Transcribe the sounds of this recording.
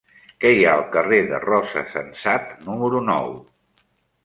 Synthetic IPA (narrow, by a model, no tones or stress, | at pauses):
kɛjaəlˠkəreðə̰rɔzə̰sə̰nsat̪numəɾunɔ̰w